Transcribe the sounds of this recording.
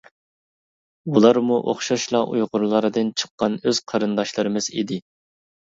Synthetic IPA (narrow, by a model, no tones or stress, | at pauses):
ulˠɑɾmuʔo̰χʃɑʃlˠɑʔujʁʊɾlˠɑɾɨd̪ɨnt͡ʃʰə̥qːɑnøz̥qʰɑɾɨnd̪ɑʃlˠɨɾɨmɨz̥ḭd̪ɪ